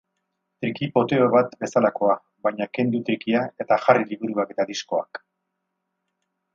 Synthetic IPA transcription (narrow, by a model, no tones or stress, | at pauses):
t̪ɾikipo̞t̪e̞oβat̪be̞salako̞a | βajɲake̞nd̪ut̪ɾikiae̞t̪aʝariliβuɾuake̞t̪aðisko̞a̰k